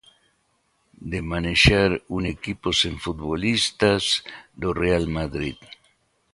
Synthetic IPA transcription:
d̪emaneʃaɾunekiposeɱfut̪̚βolist̪azd̪orealmaðɾið

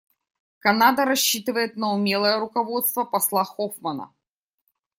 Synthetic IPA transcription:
kɐnad̪əɾɐɕːit̪ɨvəjɪt̪nəʊmʲelˠəjəɾʊkɐvo̞t̪st̪vəpɐslˠaxofmɐnə̰

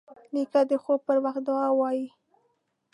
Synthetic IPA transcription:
nikad̪əxopəɾwaxt̪̚d̪ɑwɑji

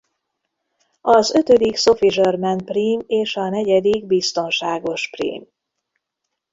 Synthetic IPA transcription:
ɒzø̞t̪ød̪ikso̞fiʒørmɛnpriːmeːʃɒnɛɟɛd̪iɡ̚bist̪o̞nʃaːɡo̞ʃprḭːm

